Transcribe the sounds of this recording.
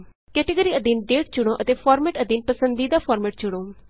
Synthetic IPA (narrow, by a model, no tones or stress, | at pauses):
kɛːʈiɡəɾiəd̪inɖeːʈ̚d͡ʒʊɽ̃oʔət̪efʰɔːɾmeːʈəd̪inpəsə̃nd̪id̪afʰɔːɾmeːʈ̚d͡ʒʊɽ̃oː